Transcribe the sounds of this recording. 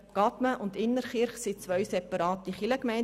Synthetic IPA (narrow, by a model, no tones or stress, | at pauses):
ɡ̥ɑtməʔʊntɪnːəɾχɪɾχsit͡sʋœɥsɛpɑɾɑːtiχiləkmɛɪn